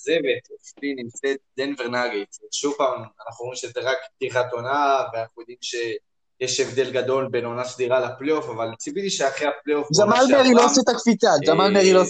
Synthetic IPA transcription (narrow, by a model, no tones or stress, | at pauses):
zevet̪eflinimt͡set̪̚lenveʁnaɡet͡sʃuvpaːmanaχnuʁoimʃezeʁakpt̪iχat̪onaveanaχujod̪imʃe̞ | jeʃevd̪e̞lɡad̪o̞lbenonasd̪iʁalapleofavalt͡sibitiʃeaχeapleofd͡ʒamalmeʁiloset̪akfit͡sad͡ʒamalmeʁilos